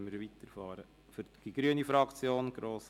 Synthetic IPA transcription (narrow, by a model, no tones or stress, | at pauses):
nməɾʋit̪əɾfɑːɾə | fʏɾɡ̥iɡ̥ɾyənifɾɑkt͡sjoːnɡ̥ɾoːs